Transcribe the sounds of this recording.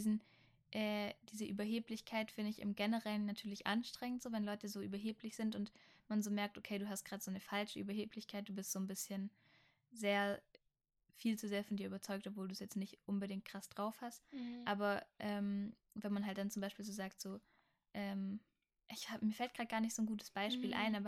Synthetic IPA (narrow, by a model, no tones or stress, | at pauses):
dizn̩ | ʔɛːd̥iːzəʔyːbɐɦeːplɪçkʰaɪtfɪndəɪçʔɪ̰mɡɛnəʁɛlənːatʰyːɐlɪçʔa̰nʃtʁ̥ɛŋəntz̥oːvɛnlɔʏtəzoːʔy̰ːbɐɦeːplɪçz̥ɪntʊntmanzoːmɛɐk̚tʔokʰeɪduːɦast̚ɡ̥ʁaːdz̥oːnəfalʃəʔy̰ːbɐɦeːpʰlɪçkʰaɪt̚d̥uːbɪstz̥oːnbɪsçən | zeːɐ | fiːlt͡suzeːɐfɔndiːɐʔyːbɐt͡sɔʏk̚tɔpvoːlduːsjɛt͡stnɪçtʔʊnbədɪŋt̚kʁ̥asd̥ʁaʊfhastʔaːbɐʔɛːm | vɛnmanɦalt̚d̥ant͡sʊmbaɪʃpiːlzoːzaːktz̥oː | ʔɛːm | ʔɪçhaːmiːɐfɛlt̚ɡ̥ʁaːd̚tɡ̥aːɐnɪçtz̥oːnɡuːtʰə̥sb̥aɪʃpiːlʔa̰ɪnʔaːbɐ